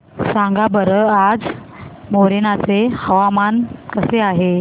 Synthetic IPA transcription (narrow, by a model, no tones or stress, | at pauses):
sãŋɡabəɾəad͡z | moɾenat͡sehəʋamankəseaɦe